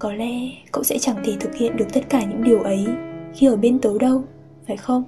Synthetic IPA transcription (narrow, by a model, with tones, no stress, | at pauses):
kɔ˨˦lɛ̰˧˥ko̰˧˨wŋ͡msɛ̰˧˥t͡ɕa˧˩ŋt̪i˨˩t̪ʰɨ˨˩k̚hḭ˧˨ənɗɨ˨˩ək̚t̪ə˦˥t̚kaː˧˩ɲɨ̰˧˥ŋɗi˨˩əwʔə˨˦jxi˧ʔəː˧˩ɓe˧nt̪o˨˦ɗə˧w | faː˨˩jxə˧wŋ͡m